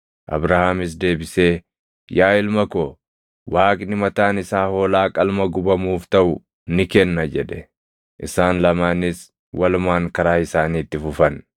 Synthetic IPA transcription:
ʔɐ̰bɾɐhaːmɪs̬d̪e̞ːbɪse̞ː | jaːɪlmɐkɔ | waːkʼnɪmɐt̪aːnɪsaːhoːlaːkʼɐlmɐɡʊbɐmuːft̪ɐʔʊ | nɪkɛnːɐd͡ʒɛᶑɛ | ʔɪsaːnlɐmaːnɪs | wɐlʊmaːŋkɐɾaːɪsaːniːt̪ːɪfʊfɐn

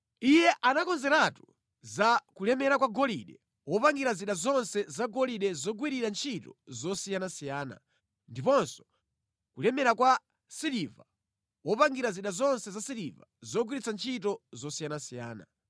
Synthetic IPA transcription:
ijɛʔanakɔnzɛɾatu | zakulɛmɛɾakwaɡɔliɗɛ | wɔpaŋɡiɾaziɗazɔnsɛzaɡɔliɗɛzɔɡwiɾiɾant͡ʃʰitɔzɔsijanasijaːna̰ | ndipɔnsɔ̥ | kulɛmɛɾakwa | siliva | wɔpaŋɡiɾaziɗazɔnsɛzasiɾiva̰zɔɡwiɾit͡sʰant͡ʃʰitɔzɔsijanasijaːna̰

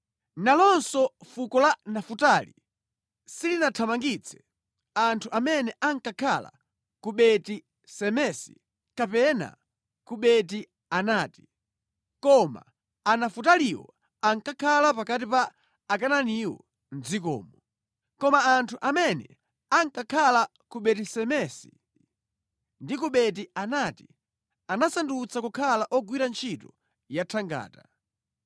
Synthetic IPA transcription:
nalɔnsɔfukɔlanafutaːli | silinatʰamaŋɡit͡sʰɛ̥ | antʰuʔamɛnɛʔaŋkakʰa̰la̰ | kuɓɛti | sɛmɛsi̥̰ | kapɛna̰ | kuɓɛt̬i | anaːti̥ | kɔma̰ː | nafut̬aliwɔ̰ | aŋkakʰalapakat̬ipaː | kananiwɔ̰ | nd͡zikɔ̰ːmɔ | kɔmaːntʰuʔamɛnɛ̰ | aŋkakʰala | kuɓɛtisɛmɛsi̥̰ | ndikuɓɛt̬ianaːti̥ | anasandut͡sʰakukʰalaʔɔɡwiɾant͡ʃʰitɔ | jatʰaŋɡa̰ːta

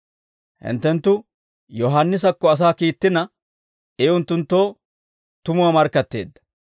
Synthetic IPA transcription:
hɪ̰nt̪ːɛnt̪ːʊ | jɔɦanːɪs̬ɐkːɔɐs̬aːkiːt̪ːɪnɐ | ɛʊnt̪ːʊnt̪ːo̞ː | t̪ʊmʊwamɐɾkːɐt̪ːe̞̰ːd̪ːɐ̥

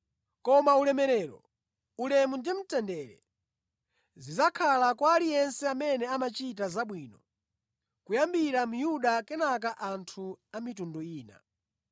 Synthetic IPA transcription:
kɔmaulɛmɛɾɛːɾɔ̰ | ulɛmundim̩tɛndɛɾɛ̰ | zizakʰalakwaːlijɛnsɛamɛnɛamat͡ʃit̬azaɓwiːnɔ | kujambiɾamujuɗakɛnak̬aʔantʰuamitundɔiːna̰

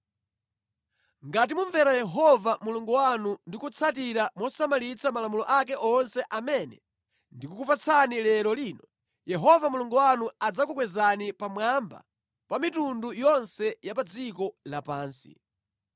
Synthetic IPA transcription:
ŋɡat̬imuɱvɛɾajɛɦɔvamuluŋɡɔwanundikut͡sʰatiɾamɔsamalit͡sʰamalamulɔʔakɛʔɔnsɛʔamɛnɛ | ndikukupat͡sʰanilɛlɔliːnɔ | jɛɦɔvamuluŋɡɔwanuad͡zakukwɛzanipamwamba̰ | pamitundujɔnsɛjap̬ad͡zikɔlapaːnsḭ

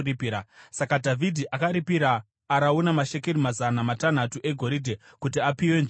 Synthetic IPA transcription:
ripiɾasakadʱavʱidʱiʔakaɾipiɾaː | ɾaunamaʃe̞keɾimazanamatan̤atuʔe̞ɡʱo̞ɾidʱe | kutiapiwend͡ʒ

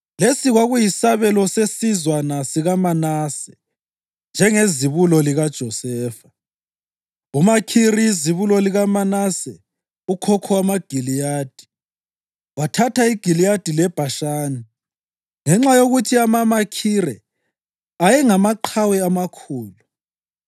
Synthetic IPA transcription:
lesiɣwaɣujisaβɛlɔsesizwanasiɣamanaːsɛ̥ | nd͡ʒʱɛŋeziβulɔliɣad̥ʒ̥ʱɔsɛːfḁ | umakʰiɾijiziβulɔliɣamanasɛ | ukʰɔkʰɔwamaɡ̥ʱilijaːd̥ʱi̥ | watʰatʰaiɡ̥ʱilijad̥ʱilɛb̥ʱaʃaːni | ŋɛŋ͡ǁajoɣutʰiamamakʰiɾɛ | ajɛŋamaǃʰawɛamakʰuːlu

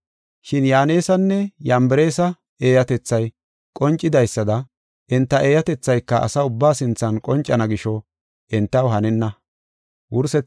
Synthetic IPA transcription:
ʃɪnjaːneːsɐnːɛjɐmbɛɾe̞ːsɐ | e̞ːjɐt̪ɛt͡sːɐj | kʼɔnt͡ʃʼːɪd̪ɐjsːɐd̪ɐ | ʔɪnt̪ːɐʔeːjɐt̪ɛt͡sːɐjkːɐʔɐ̰sɐʊbːaːsɪnt͡sːɐnkʼɔnt͡ʃʼːɐnɐɡɪʃɔ | ʔɪnt̪ːɐwɦɐnɛnːɐ | wʊɾsɛ

